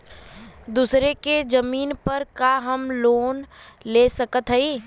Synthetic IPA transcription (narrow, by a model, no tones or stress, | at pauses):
d̪uːsɾeked͡ʒəmiːnpəɾkaɦəmloːnleːsəkət̪ɦəiː